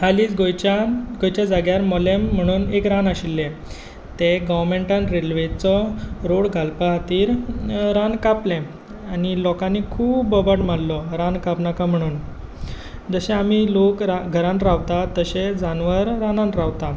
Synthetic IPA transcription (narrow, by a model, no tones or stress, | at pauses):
ɦaliːt͡sɡojt͡ɕaɡojt͡ɕjad͡zaɡjaɾmɔlem̤ːəɽ̃uːnekɾanaɕilːẽ | t̪eɡɔʋɾmeɳʈãnɾelʋet͡sɔɾoɽɡʱalpaɦat̪iːɾɾãnkaplẽ | anilɔkãnːikʰuːbbəbəʈmalːɔɾãnkapnakam̤əɽ̃uːn | d͡zəɕẽamilokɾaɡʱəɾãnt̪ɾaʋt̪at̪əɕed͡zanʋəɾɾanãnɾaʋt̪a